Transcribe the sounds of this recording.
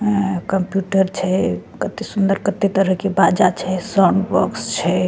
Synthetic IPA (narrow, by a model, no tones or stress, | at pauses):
kəmpjuʈəɾt͡ʃʰɛkət̪esund̪əɾkət̪et̪əɾəɦkebad͡ʒat͡ʃʰɛsaɳɖbəkst͡ʃʰɛ